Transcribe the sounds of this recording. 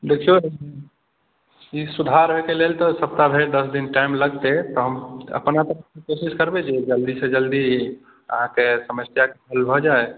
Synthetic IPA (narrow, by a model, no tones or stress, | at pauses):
d̪ekʰijo | isud̪ʱaɾəɦekelelt̪ɔsəp̚t̪abʱeɾd̪əsd̪inʈaɪmləɡt̪et̪ɔɦəmə̰pnat̪əɾəkmekosiskəɾbed͡ʒed͡ʒəld̪ised͡ʒəld̪i | ə̰ɦãkesəməsjakebʱəlbʱɔd͡ʒae